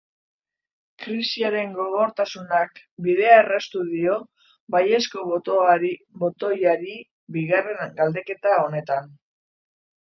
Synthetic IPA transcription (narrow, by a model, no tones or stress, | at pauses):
kɾisiaɾe̞ŋɡo̞ɣo̞ɾt̪asunak | biðe̞aerast̪uðio̞ | baje̞sko̞ | bo̞t̪o̞jaɾi | biɣare̞nɡald̪e̞ke̞t̪ao̞ne̞t̪an